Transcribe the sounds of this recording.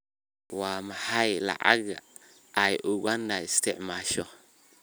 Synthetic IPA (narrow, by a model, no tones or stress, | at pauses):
waːmɐħajlɑ̰ʕɑ̰ɣɐ | ɐjʔʊɣɐnːɐɪst̪ʰɛʕmaːʃɔ